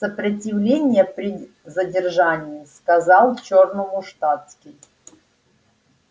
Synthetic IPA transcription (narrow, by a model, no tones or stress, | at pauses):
səpɾətʲɪvlʲenʲɪjəpɾʲɪ | zədʲɪrʐanʲɪjɪskɐzalˠt͡ɕornʊmʊʂt̪at̪skʲɪj